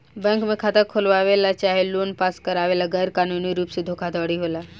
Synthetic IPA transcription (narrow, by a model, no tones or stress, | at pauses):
bɛ̃ːŋkmẽkʰaːt̪akʰolʋaːʋelat͡ʃaːɦeloːnpaːskəɾaːʋeːlaɡɛːɾkaːnuniɾuːpsed̪ʱoːkʰad̪ʱɔːɽiɦoːlaː